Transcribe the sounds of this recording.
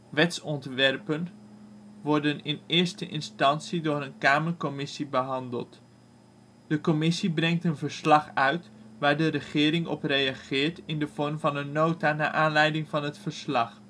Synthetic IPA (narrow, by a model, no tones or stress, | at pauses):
ʋɛtsɔntʋɛrpən | ʋɔɹdənɪnɪːɹstəʔɪ̰nstɑnsidʊːɾənkaːməɹkɔmɪsibəɦɑndə̰lˠt | d̥əkɔmɪsibrɛŋtənvəɹslɑχœɥtʋaːɹdərəχɪːɾɪŋɔ̰prejaχɪːɹtɪndəv̥ɔɹmvɑnənːowtana̰ːʔaːnlɛjdɪŋvɑnɦətfəɹslɑχ